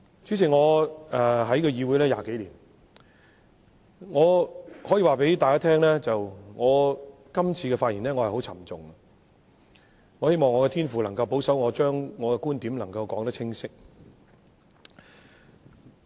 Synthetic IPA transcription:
t͡ʃyː˨˥t͡sʰi˨˩ŋɔː˨˧ɛ˨˧ɦɐ˨˥jkɔ˧jiː˧wuː˨˥jlɛː˥ja̰ː˨ke˨˥jliː˨˩n | ŋɔː˨˧hɔː˨˥jiː˨˧waː˨˩pe˨˥jt̪aː˨jkaː˥t̪ʰɛː˥ŋlɛː˥t͡sɐ˨wŋɔː˨˧ | kɐ˥mt͡sʰiː˧kɛ˧faː˧t̚jiː˨˩nlɛː˥ŋɔː˨˧hjho˨˥wt͡sʰɐ̰˨˩mt͡sʊ˨ŋɐ˧ | ŋɔː˨˧he˥jmɔː˨ŋɔː˨˧kɛ˧t̪ʰiː˥nfuː˨lɐ˨˩ŋkɐ˧wpo˨˥wsɐ˨˥wŋɔː˨˧t͡ʃœː˥ŋːɔː˨˧kɛ˧kuː˥nt̪iː˨˥mlɐ˨˩ŋkɐ˧wkɔː˨˥ŋt̪ɐ˥k̚t͡sʰɪ˥ŋsɪ˥k̚

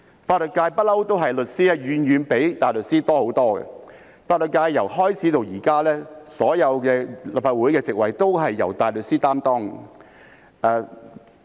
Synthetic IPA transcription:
faː˧t̚lə˨˩t̚kːaː˧jpɐ˥t̚lɐ˥wt̪o˥wɦɐ˨jlɵ˨t̚siː˥ɛ˥jyː˨˧njyː˨˧npe˨˥jt̪aː˨˩lɵ˨t̚siː˥t̪ɔː˥ho˨˥wt̪ɔː˥ɡɛ̰˧ | faː˧t̚lɵ˨t̚kːaː˧jːɐ˨˩wɦɔː˥jt͡sʰiː˨˥t̪o˨wjiː˨˩kaː˥lɛː˥sɔː˨˥jɐ˨˧wkɛː˧la˨˩pfaː˧t̚wuː˨˥jkɛː˧t͡sɪ˨k̚wɐ˨jt̪o˥wɦɐ˨jːɐ̰˨˩wt̪aː˨jlɵ˨t̚siː˥t̪aː˥mt̪ɔː˥ŋ | ɛː˧

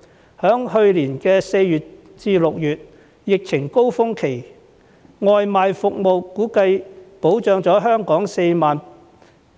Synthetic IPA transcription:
hœː˨˥ŋhɵ˧ɥliː˨˩nkɛː˧se˧jjyː˨t̚ | t͡siː˧lʊ˨k̚jyː˨t̚ | jɪ˨k̚t͡sʰɪ˨˩ŋko˥wfʊ˥ŋkʰe˨˩j | ŋɔː˨˧jmaː˨˧jfʊ˨k̚mo˨wkuː˨˥kɐ˧jpo˨˥wt͡ʃœː˨˧ŋt͡sɔː˨˥ɦœː˥ŋkɔː˨˥ŋse˧jmaː˨n

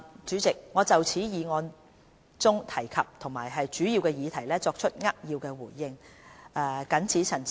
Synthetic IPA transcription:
t͡ʃyː˨˥t͡sɪ˨k̚ŋɔː˨˧t͡sɐ˨wt͡sʰiː˨˥jiː˨˧ŋɔː˧n | t͡sʊ˥ŋt̪ʰɐ˨˩jkʰɐ˨p̚t̪ʰʊ˨˩ŋmaː˨˩jɦɐ˨jt͡ʃyː˨˥jiː˧wkɛː˧jiː˨˧t̪ʰɐ˨˩jlɛː˥t͡sɔː˧k̚t͡ʃʰɵ˥t̚ŋɐ˥k̚jiː˧wkɛː˧wuː˨˩jːɪ˧ŋɛː˧kɐ˨˥nt͡sʰiː˨˥t͡sʰɐ˨˩n

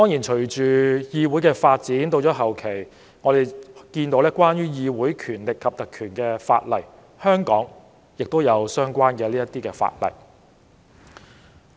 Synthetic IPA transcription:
t̪ɔː˥ŋjiː˨˩nt͡ʃʰɵ˨˩ɥt͡ʃyː˨jiː˧wu˨˥jkɛː˧faː˧t̚t͡siː˨˥nt̪o˧wt͡ʃɔː˨˥ɦɐ˨wkʰe˨˩j | ŋɔː˨˧d̪e˨jkiː˧nt̪o˨˥wlɛː˥kwaː˥njyː˥jiː˧wuː˨˥jkʰyː˨˩nlɪ˨kʰːɐ˨p̚t̪ɐ˨kʰyː˨˩nkɛː˧fa̰ː˧t̚lɐ˨˩j | hœː˥ŋkɔː˨˥ŋ | jɪ˨k̚t̪o˥wjɐ˨˧wsœː˥ŋkʷaː˥nkɛː˧liː˥jɐ˥t̪iː˥kɛː˧fa̰ː˧t̚lɐ̰˨˩j

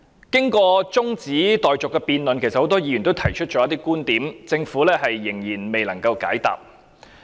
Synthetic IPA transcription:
kɪ˥ŋkɔː˧t͡sʊ˥ŋt͡siː˨˥t̪ɔː˨jt͡sʊ˨kːɛː˧piː˧nlɵ˨nkʰe˨˩jsɐ˨t̚ho˨˥wt̪ɔː˥jiː˨˧ɥy˨˩nt̪o˥wt̪ʰɐ˨˩jt͡ʃʰɵ˥t̚t͡ʃɔː˨˧˥ɐ˥t̪iː˥kuː˥nt̪iː˨˥mt͡sɪ˧ŋfuː˨˥lɛː˥ɦɐ˨jːɪ˨˩ŋjiː˨˩nme˨jlɐ˨˩ŋkɐ˧wka̰ː˨˥jt̪a̰ː˨p̚

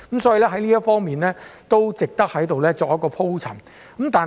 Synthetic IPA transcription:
msɔː˨˥ji˨lɛː˥ɦɐ˨˥jliː˥jɐ˥t̚fɔː˥ŋmiː˨nlɛː˥t̪o˥wt͡sɪ˨k̚t̪ɐ˥k̚hɐ˨˥jt̪o˨wlɛː˥t͡sɔː˨k̚jɐ˥kːɔː˧pʰo˥wt͡sʰɐ˨˩ŋ | kɐ˨˦mt̪aː˨

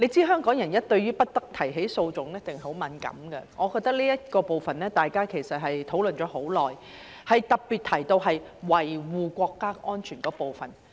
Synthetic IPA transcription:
le˨˧jt͡siː˥ɦœː˥ŋkɔː˨˥ŋjɐ˨˩njɐ˥t̚t̪ɵ˧ɥyː˥pɐ˥t̚t̪ɐ˥k̚t̪ʰɐ˨˩jɦe˨˥jso˧wt͡sʊ˨˥ŋlɛ˥t̪ɪ˨ŋhho˨˥wmɐ˨˧nkɐ̰˨˥mɡɛ̰˧ŋɔː˨˧kɔː˧k̚t̪ɐ˥liː˥jɐ˥t̚kɔː˧po˨wfɐ˨nlɛː˥t̪aː˨jkaː˥kʰe˨˩jsɐ˨t̚ɦɐ˨jt̪ʰo˨˥wlɵ˨nt͡ʃɔː˨˥ho˨˥wlɔː˨j | hɐ˨jt̪ɐ˨k̚piː˨t̪̚ʰɐ˨˩jt̪o˧wɦɐ˨jwɐ˨˩jwuː˨kʷɔː˧kːaː˥ʔɔː˥nt͡ʃʰyː˨˩nkɔː˨˥po˨wfɐ˨n

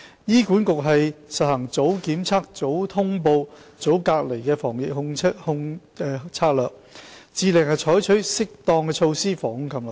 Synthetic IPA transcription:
jiː˥kuː˨˥nkʊ˨k̚ɦɐ˨jsɐ˨t̚hɐ˨˩ŋt͡so˨˥wkiː˨˥mt͡sʰaː˥k̚t͡so˨˥wt̪ʰʊ˥ŋpo˧w | t͡so˨˥wkaː˧k̚le˨˩jkɛː˧fɔː˨˩ŋjɪ˨k̚hʊ˧ŋʰ˥hʊ˧ŋː˧ | t͡sʰaː˧k̚lœː˨˩k̚t͡siː˨lɪ˨˩ŋhɐ˨jt͡ʃʰɔː˨˥jt͡ʃʰɵ˨˥ɥsɪ˥k̚t̪ɔː˧ŋkɛː˧t͡ʃʰo˧wsiː˥fɔː˨˩ŋhʊ˧˥ŋkʰɐ˨˧˩ml

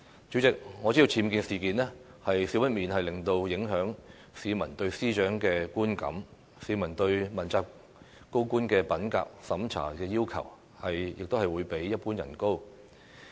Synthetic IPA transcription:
t͡ʃyː˨˥t͡sɪ˨k̚ŋɔ˨˧t͡siː˥i˧wt͡sʰiː˧mkiː˨˧nsiː˨kiː˨˧nɛː˥ | hɐ˨jsi˨˥wpɐ˥t̚miː˨nhɐ˨jlɪ˨˩ŋt̪o˧wjɪ˨˥ŋɦœː˨˥ŋ | siː˨˧mɐ˨˩nt̪ɵ˧ɥsiː˥t͡ʃœː˨˥ŋkɛː˧kuː˥nkɐ̰˨˥m | siː˨˧mɐ˨˩nt̪ɵ˧ɥmɐ˨˩nt͡saː˧p | ko˥wkuː˥nkɛː˧pɐ˨˥nka̰ː˧k̚sɐ˨˥mt͡sʰa̰ː˨˩kɛː˧jiː˥wkʰɐ̰˨˩w | hɐ˨jjɪ̰˨k̚t̪o˥whɐ˨jwuː˨˧jpe˨˥jːɐ˥t̚puː˥njɐ̰˨˩nko˥w

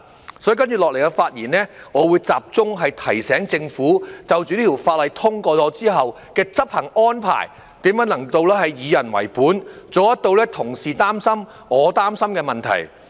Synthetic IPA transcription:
sɔ˨˥jiː˨˧kɐ˥nt͡ʃy˨lɔː˨le˨˩jkɛ˧faː˧t̚jiː˨˩nɛː˥ŋɔː˨˧wuː˨˧jt͡saː˨p̚t͡sʊ˥ŋɦɐ˨jt̪ʰɐ˨˩jsɛː˨˥ŋt͡sɪ˧ŋfuː˨˥t͡sɐ˨wt͡ʃyː˨niː˥t̪ʰi˨˩wfaː˧t̚lɐ˨˧jt̪ʰʊ˥ŋkɔː˧t͡sɔː˨˧t͡siː˥ɦɐ˨w | kɛː˧t͡sɐ˥p̚hɐ˨˩ŋɔː˥npʰa̰ː˨˩j | t̪iː˨˥mjɐ˨˥nɐ˨˩ŋt̪o˧wlɛː˥ɦɐ˨jjiː˨˧jɐ˨˩nwɐ̰˨˩jpuː˨˥nt͡soː˨˩jɐ˥t̪̚o˧wlɛː˥t̪ʰʊ˨˩ŋsiː˨t̪aː˥msɐ˥m | ɔː˨˧t̪aː˥msɐ˥mkɛː˧mɐ˨nt̪ʰɐ̰˨˩j

